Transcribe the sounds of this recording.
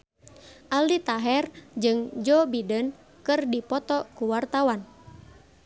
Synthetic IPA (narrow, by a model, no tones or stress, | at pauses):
ʔalit̪aɦɛrd͡ʒɨŋd͡ʒɔbidən | kɨrdipɔt̪ɔkuwart̪awan